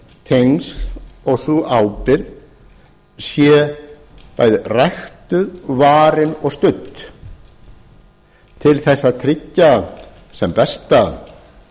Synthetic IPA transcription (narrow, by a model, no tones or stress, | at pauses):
t̪ʰejnsðɔɣsuʔawpɪɾð | sjɛ | pa̰jðrajxt̪ʏðvaːɾɪnɔɣst̪ʏt̪ | t̪ʰɪlθɛsːaðt̪ʰɾɪcːa | sɛmpɛst̪a